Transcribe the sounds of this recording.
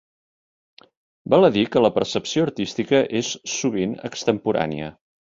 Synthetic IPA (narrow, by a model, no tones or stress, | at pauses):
baləðikələpəɾsəpsioəɾt̪ist̪ikəʔesːuβinə̰kst̪əmpuɾa̰nḭə̰